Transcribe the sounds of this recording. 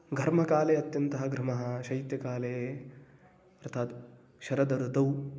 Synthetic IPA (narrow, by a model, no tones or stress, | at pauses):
ɡʱɐɾmɐkaːleːɐt̪jɐnt̪ɐɦɐɡɾɐmɐɦɐ̆ʃɐjit̪jɐkaːleː | ɐɾt̪ʰaːt̪ | ʃɐɾɐd̪ɐɾut̪ɐw